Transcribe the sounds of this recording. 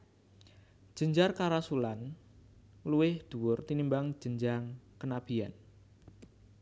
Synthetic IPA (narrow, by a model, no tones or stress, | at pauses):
ʒ̥əɲd͡ʒarkaɾasulan | luwɪhd̪̥ṳwʊrt̪inimbaŋ̥d͡ʒ̥əɲd͡ʒaŋkənab̥i̤a̰n